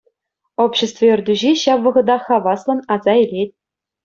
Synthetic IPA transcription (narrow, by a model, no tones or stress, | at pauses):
opɕĕst̪vɤɘ̆rʲd̪ʲyʑeɕɑpʋɤ̆ʁɤ̆d̪ɑχɑʋɑslˠɤ̆nɑzɑelʲet̚ʲ